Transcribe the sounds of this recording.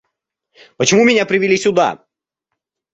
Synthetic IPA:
pət͡ɕɪmumʲɪnʲapɾʲɪvʲɪlʲisʲʊd̪a̰

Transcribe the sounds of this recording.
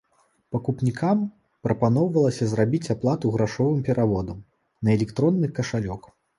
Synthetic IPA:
pɐkupnʲikʰam | pɾɐpanɔwvɐlˠɐsʲɐzrabʲit͡sʲaplˠat̪uɣɾaʂɔvɨmpʲɛɾʔavɔd̪ɐm | nɐɛlʲɛkt̪ɾɔnːɨxkɐʂalʲɔk

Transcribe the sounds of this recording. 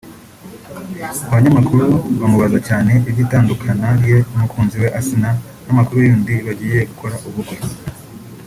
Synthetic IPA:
aβaɲamakuɾuβamuβazacaːne̞iβɟitaːndukʰanaɾje̞umukʰuːnziwe̞ʔasina | namakuɾujuːndiβaɟiːje̞ɡukʰo̞ɾaʔuβuɾɡwe̞

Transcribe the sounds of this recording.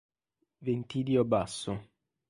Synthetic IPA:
vent̪id̪iobasːʊ

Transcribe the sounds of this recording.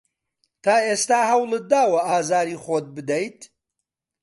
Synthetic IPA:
t̪ʰaːeːst̪aːɦɐwlˠɨd̪aːwɐʔaːzaːɾiːχoːt̪̚bɨd̪ɐjt̪

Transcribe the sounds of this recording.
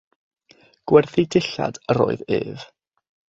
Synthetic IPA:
ɡ̥wɛrθidɪɬa̰d̥əɾoːɨðeːv

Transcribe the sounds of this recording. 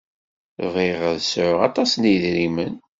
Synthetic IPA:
viʁəðsʕʊʁɑ̰t̪ˤɑsniðɾimən

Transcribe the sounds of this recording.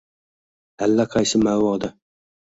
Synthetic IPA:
alːaqʰɑjsɪmawɒːd̪a

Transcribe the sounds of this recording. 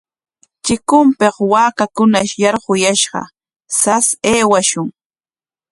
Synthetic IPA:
t͡ʃɪkʊmpeχwaːkakʊnaʃjɑɾɢʊjaʃɢɑ̰ | saseːwaʃʊŋ

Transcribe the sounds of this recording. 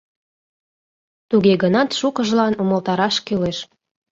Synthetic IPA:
t̪uɣeɣənɑt̪ʃukəʒlɑnuməlt̪ɑɾɑʃkyleʃ

